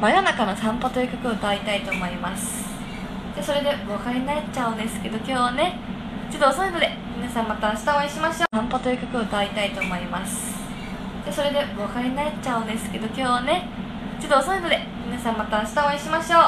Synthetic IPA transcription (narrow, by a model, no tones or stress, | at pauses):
majanakanosãmpat̪oikʲakɯ̟ɯ̟t̪ait̪ait̪o̞moimasɨ̥ | d͡ʑaːso̞ɾe̞d̪e̞βokaɾenaet͡ɕaɯ̟̃nd̪esɨ̥ke̞d̪okʲo̞ːβane̞ | t͡ɕot̪ːoːsonod̪e̞ | mʲinasãmːat̪aɕi̥t̪aoaiɕimaɕoãmpat̪oikʲakɯ̟ɯ̟t̪ait̪ait̪o̞mo̞imasɨ̥ | d͡ʑaːso̞ɾe̞d̪e̞akaɾenat͡ɕaɯnd̪esɨ̥ke̞d̪o̞kʲo̞ːβane̞ | t͡ɕt̪ːoːsonanod̪e | mʲinasãmat̪ai̥t̪aoβaiɕimaɕo̞ː